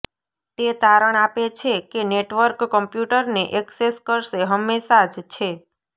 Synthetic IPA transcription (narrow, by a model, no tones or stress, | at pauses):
t̪et̪aɾəɳapet͡ʃʰekeneʈʋəɾkːəmpjuʈəɾneʔɛkseskəɾʃeɦəmːeʃad͡ʒt͡ʃʰe